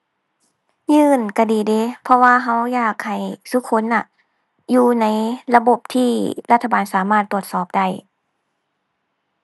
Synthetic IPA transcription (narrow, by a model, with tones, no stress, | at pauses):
ɲɯː˧˩nka˧˩diː˨˩deː˧˦pʰɔ˧waː˧˨ɦa˧˥wjaː˧˩k̚ha˨˩jsu˧˦˥kʰo˧˥˨nːa˧˩ʔ | juː˧na˧˥jla˧bo˧˨˩p̚t̪ʰiː˧la˧t̪ʰːa˧baː˨˩nsaː˨˦maː˧˩t̪ːu˧˩ət̪̚sɔː˨˩p̚da˧˥˩j